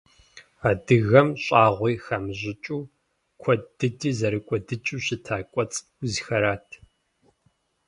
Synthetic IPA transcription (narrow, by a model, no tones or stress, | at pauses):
aːdɨɣɐmɕʼaːʁʷiːxɐmʑɪt͡ʃʼuː | kʷʰɔdɨdiːzɐɾɨkʷʼɔdɨt͡ʃʼuːɕɪtʰaːkʷʼɔt͡sʼ | zixɐɾaːtʰ